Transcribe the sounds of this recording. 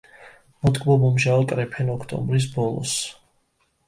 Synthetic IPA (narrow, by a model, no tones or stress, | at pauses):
mɔd̪ɡbɔmɔmʒaɔt̪ʼɾɛpʰɛnɔkʰt̪ʼɔ̰mbɾis̬bɔlˠɔ̰s